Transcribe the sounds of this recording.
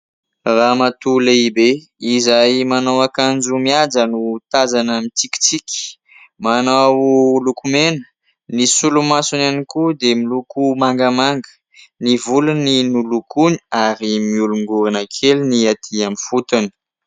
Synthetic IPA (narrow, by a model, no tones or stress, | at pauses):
ramat̪uleibe | izajmanawakand͡ʒumiad͡zənut̪azanəmit͡siki̥t͡sikʲi̥ | manawlukumenə̥ | nisulumasunanikud̪emilukumaŋɡəmaŋɡə̥ | nivuluninulukuniaɾimiuluŋɡuɾinakʰeliniat̪ʰiamifut̪uni̥